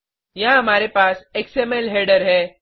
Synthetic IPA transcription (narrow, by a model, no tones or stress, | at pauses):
jãamaɾepaseksemelɦeɽəɾɦɛ